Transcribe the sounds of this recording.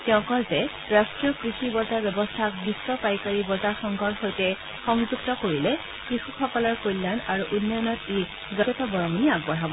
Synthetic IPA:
tɛʊ̃kɔlzɛ | ɹasʈɹijɔkɹisibɔzaɹbjɛbɔstʰak̚biswɔpajkaɹibɔzaxɔŋɡʱɔɹxojtɛ | xɔŋzuɡ̚tɔkoɹilɛ | kɹixuxɔkɔlɔɹkojlːanaɹuʔunːɔjɔnɔt̪i | zat̪ɔbɔɹɔmuniaɡ̚bɔɹɦabɔ

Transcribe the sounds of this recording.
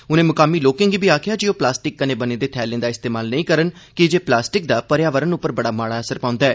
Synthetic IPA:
ʊnẽːmʊkaːmiːloːkɪ̃ŋɡiːbʱiːaːkʰɪjaːd͡ʒioːplaːsʈɪkːənẽːbəneːd̪eːt̪ʰɛːlẽːd̪aːɪst̪eːmaːlnəĩːkəɾənkɪd͡ʒeːplaːsʈɪk̚d̪aːpəɾjaːʋəɾənʊpːəɾbəɽaːmaːɽaːəsəɾpãːʊ̃nd̪aɛː

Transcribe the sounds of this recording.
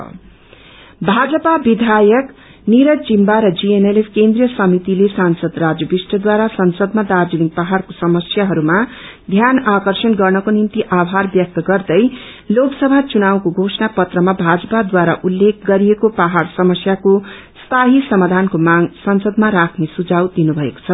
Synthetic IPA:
bʱad͡zʌpabid̪ʱajʌk | niɾʌd͡zimbaɾʌd͡zieneleskend̪rijʌsʌmit̪ilesansʌd̪rad͡zjʌbisʈʌd̪waɾasʌnsʌd̪̚mad̪ad͡zuniŋk̚paɦarkosʌmʌsjaɦʌɾuma | d̪ʱjanakʌrsʌnɡʌrnʌkonimt̪iʔabʱarbjʌk̚t̪ʌɡʌrd̪ʌj | loksʌbʱat͡sunawkoɡʱosʌnapʌt̪rʌmabʱad͡zʌpad̪waɾaʔulːek̚ʰɡʌɾiekopaɦarsʌmʌsjako | st̪aɦisʌmad̪ʱankomaŋsʌnsʌd̪maɾakʰnesud͡zawd̪inubʱʌeko̥t͡sʰʌ

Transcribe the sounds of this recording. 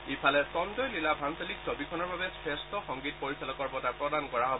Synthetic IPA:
ipʰalɛsɔndɔjlilabʱanseliksɔbikʰɔnɔɹbabɛsestɔxɔŋɡit̚pɔɹisalɔkɔɹbɔtapɹɔdankɔɹaɦɔb

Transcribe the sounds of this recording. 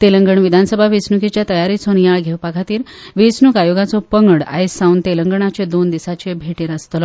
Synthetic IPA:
t̪eləŋɡəɳʋid̪ʱansəbʱaʋit͡snuket͡ɕjat̪əjaɾit͡sonjaɭɡʱewpaɡʰʱat̪iːɾ | ʋit͡snukajoɡat͡sɔpəŋɡəɽa̰jsaunt̪eləŋɡəɳ̃at͡ɕed̪ond̪isat͡ɕebʱeʈeɾəst̪lɔ

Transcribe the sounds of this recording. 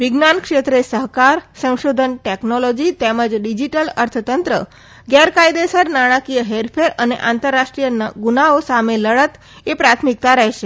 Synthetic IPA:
ʋiɡnankʂet̪ɾesəɦkaɾsə̃w̃ʃod̪ʱənʈeknolod͡ʒit̪eməd͡ʒɖid͡ʒiʈələɾt̪ʰt̪ənt̪ɾə̰ | ɡɛɾkajd̪esəɾnaɽ̃akijəɦeɾpʰeɾənḛʔant̪əɾːaʃʈɾijənɡunaosameləɭət̪ | epɾat̪ʰmik̚t̪aɾɛɦʃe

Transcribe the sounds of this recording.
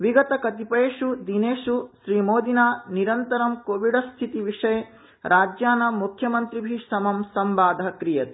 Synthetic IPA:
ʋiɡɐt̪ɐkɐt̪ipeːʂud̪ineːʂuʃɾiːmoːd̪inaːniɾɐnt̪ɐɾɐmkoːʋiɖɐst̪ʰit̪iʋiʂɐje | ɾʔaːd͡ʒjaːnɐmukʰjɐmɐnt̪ɾibʱiɐmɐmsɐmʋaːd̪ʱɐkɾijɐt̪

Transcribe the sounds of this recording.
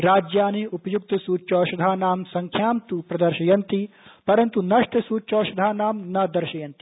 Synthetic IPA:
ɾaːd͡ʒjaːniupɐjuk̚t̪ɐsuːt͡ʃɔːʃɐd̪ʱaːnaːmsɐŋkʰjaːmt̪upɾɐd̪ɐɾʃɐjɐnt̪ipɐɾɐnt̪unɐʂʈʰɐsuːt͡ʃɔːʃɐd̪ʱaːnaːmnɐd̪ɐɾʃɐjɐnt̪i̥

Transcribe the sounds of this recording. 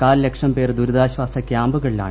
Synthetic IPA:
kaːlle̞kʂɐmpe̞ːrd̪uɾud̪aːɕʋaːsɐkʲjaːmbuɣɐɭila̰ːɳɨ

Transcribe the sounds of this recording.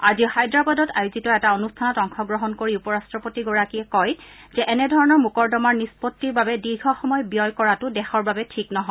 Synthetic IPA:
azixajdɹabadɔtajuzitɔɛtaonustʰanɔtɔŋxɔɡɹɔɦɔnkoɹiupɔɹastɹɔpotiɡɔɹakiɛkɔjzɛʔɛnɛdʱɔɹɔnɔɹmukɔɹdɔmaɹnispɔtːiɹbabɛdiɹɡʰʱɔxɔmɔjbijɔjkɔɹatʊdɛxɔɹbabɛtʰiknɔɦɔj

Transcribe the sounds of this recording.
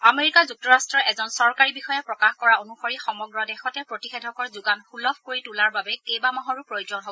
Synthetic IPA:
ameɹikazuk̚tɔɹastɹɔʔɛzɔnsɔɹkaɹibixɔjɛpɹɔkaxkɔɹaonuxoɹixɔmɔɡɹɔdɛxɔtɛpɹotixedʱɔkɔɹzuɡanxulɔbʰkoɹitulaɹbabɛkejbamaɦɔɹupɹojozɔnɦobɔɔ

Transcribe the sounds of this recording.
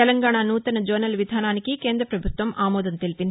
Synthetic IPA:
ɛlɐŋɡaːɳaːnuːt̪ɐnɐd͡ʒoːnɐlʋid̪ʱaːnaːnikike̞ːnd̪ɾɐpɾɐbʱut̪ʋɐmʔaːmɔːd̪ɐnt̪elipind̪ii

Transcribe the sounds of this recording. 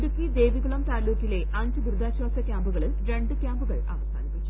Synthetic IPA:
ɾukːid̪e̞ːʋiɣuɭɐmt̪aːlːoːkːile̞ | ɐɲd͡ʑɨbuɾɨd̪ʱaːɕwaːsɐkʲjaːmbuɣɐɭilɾe̞ɳɖɨkʲaːmbuɣɐɭa̰ːʋɐsa̰ːnipːit͡ɕːu

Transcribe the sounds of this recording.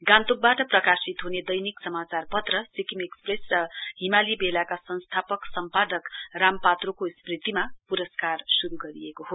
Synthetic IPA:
ɡãnt̪uk̚baʈʌprʌkasit̪ɦuned̪ʌjniksʌmat͡sarpʌt̪rʌsikimekspresrʌɦimalibelakasʌñst̪ʰapʌksʌmpad̪ʌkrampat̪rokosprit̪ːimapuɾʌskarsuɾuɡʌɾiekoɦo

